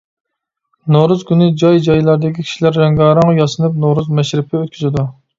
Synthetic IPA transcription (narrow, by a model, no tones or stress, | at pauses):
noɾuzkʲynɪd͡ʒɑjd͡ʒɑjlˠɑɾd̪ɪkʲikʲʰi̥ʃilæɾːɛŋɡɑːɾɑŋjɑsɨnɨp̚noɾuzmɛʃɾɪpʰɪøt̪̚kʲʰyzɪd̪u